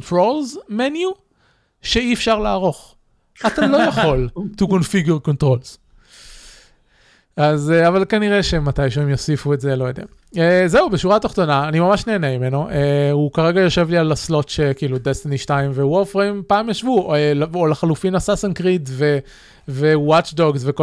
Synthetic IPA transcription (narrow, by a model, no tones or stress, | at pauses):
ntʁo̞lzmenju | ʃeiɛfʃaʁlaːʁo̞χ | at̪alo̞jaχo̞ltukonfiɡjuʁko̞ntʁo̞lz̥ | azeavalkaniʁeʃemat̪ajʃeemjo̞sifueze̞lojod̪ḛa | ezeubeʃuʁataχt̪o̞naːnimamaʃneːnemime̞no̞ʔeukaʁe̞ɡajo̞ʃe̞vlialaslo̞tʃekiilud̪est̪eniʃtajmveuofʁempaːmjaʃvuelolaχalufinasasankʁitve̞ | vewat͡ʃdoɡzveko